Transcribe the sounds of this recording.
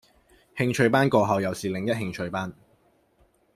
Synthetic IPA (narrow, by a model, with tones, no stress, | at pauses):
hɪ˧ŋt͡ʃʰɵ˧ɥpaː˥nkɔː˧ɦɐ˨˧wjɐ˨wsiː˨lɪ˨ŋjɐ˥t̚hɪ˧ŋt͡ʃʰɵ˧ɥpaː˥n